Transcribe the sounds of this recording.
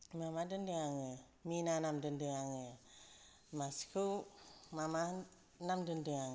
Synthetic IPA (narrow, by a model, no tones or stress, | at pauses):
mamadəndəŋaŋə | minanamdəndəŋaŋə | maskʰowmama | namdəndəŋaŋ